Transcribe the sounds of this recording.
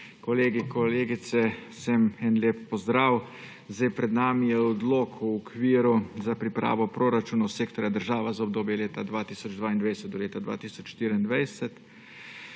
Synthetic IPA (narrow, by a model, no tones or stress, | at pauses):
kɔleːɡikɔleːɡit̪sɛsɛmɛnlʲeːpːɔzd̪ɾaːw | zajpɾɛd̪naːmijɛɔd̪loːkʰuɔkʰʋiːɾuzapɾipɾa̰ːʋɔpɾoːɾat͡ʃuːnawseːkt̪ɔɾjad̪əɾʒaːʋazaɔb̚d̪oːbjɛleːt̪ad̪ʋaːt̪iːsɔd͡ʒd̪ʋaːind̪ʋajsɛt̪d̪ɔleːt̪ad̪ʋa̰ːt̪iːsɔt͡ʃʃt̪iːɾiind̪ʋajsɛt̪